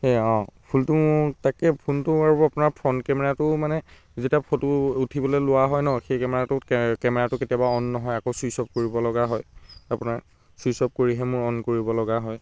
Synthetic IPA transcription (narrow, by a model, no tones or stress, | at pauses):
hɛɔ̃pʰultʊmʊɹtakɛpʰuntʊaɹapʊnaɹpʰɔnkɛmɛɹatʊmanɛ | zetiapʰɔtuutʰibɔlɛlʊwaɦɔjnɔxejkɛmɛɹatʊkɛmɛɹatʊketijabaɔnːɔɦɔjakosuisɔp̚koɹibɔlɔɡaɦɔjapʊnaɹ | susɔp̚koɹiɦɛmʊɹɔnkoɹibɔlɔɡaɦɔj